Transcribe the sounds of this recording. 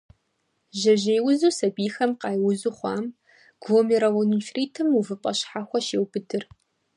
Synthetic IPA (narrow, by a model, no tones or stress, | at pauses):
ʒɐʒeːjwʊzuːsɐbiːxɐmqɑːjwʊzuːχʷɑːm | ɡ̥oːmiɾɐwʊnufriːtʰɨmuvɨpʼɐɕħaxʷɔʃeːwbɨdʰɨr